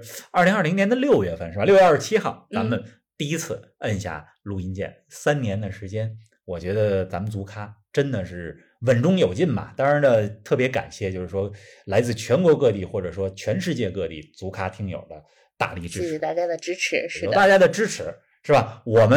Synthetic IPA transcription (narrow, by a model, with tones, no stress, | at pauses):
ɐ˞˥˩li˧˥ŋɐ˞˥˩li˧˥ŋnjɛ˧˥nd̪ə˧ljo˥˧ʊɥɛ˥˧˩fə˥˧nʂɻ̩˥˩ba˧ljo˥˧ɥɛ˧ə˥˩˥t͡ɕʰi˥xɑ˥˩ʊt͡sa˧˥mə˧n | t̪i˥˧i˥t͡sʰɹ̩˥˩ | ə˥˧nɕja̰˥˩ | lu˧˥i˧˥nt͡ɕjɛ̰˥˩n | sa˥nnjɛ˧˥nd̪ə˨ʂɻ̩˧˥t͡ɕjɛ˥n | wɔ˨˩t͡ɕɥɛ˧˥d̪ə˧t͡sa˧˥mə˨nt͡su˧˥kʰa˥ʈ͡ʂə˥nd̪ə˨ʂɻ̩˥˩ | wə˨˩nʈ͡ʂʊ˥ŋjo˨˩ʊt͡ɕi˥˩nbɐ̰˨˩t̪ɑ˥ŋɻa˧˥nnə˧t̪ʰɤ˥˩pjɛ˧˥ka̰˨˩nɕjɛ˥˩t͡ɕjo˥˧ʊʂɻ̩˥˩ʂwɔ˥la˧˥ɪt͡sɹ̩˥˩t͡ɕʰɥɛ˧˥nkwɔ˧˥kɤ˥˧t̪i˥˩xwɔ˥˩ʈ͡ʂɤ˨˩ʂwɔ˥t͡ɕʰɥɛ˧˥nʂɻ̩˥˧t͡ɕjɛ˥˧kɤ˥˧t̪ḭ˥˩t͡su˧˥kʰa˥t̪ʰi˧˥ŋjo̰˨˩ʊd̪ə˦ | t̪a̰˥˧li˥˧˩ʈ͡ʂɻ̩˥˧˥t̪a˥˩t͡ɕja˥d̪ə˨ʈ͡ʂɻ̩˥ʈ͡ʂʰɻ̩˧˥jo˩ʊa˥˩t͡ɕja˥d̪ə˨ʈ͡ʂɻ̩˥ʈ͡ʂʰɻ̩˧˥ | ʂɻ̩˥˩bɐ˩wɔ˨˩mə˦